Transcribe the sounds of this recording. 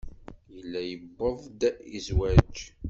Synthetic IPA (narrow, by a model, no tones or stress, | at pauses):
jəlːæjəbːəðˤd̪æizwæd͡ʒ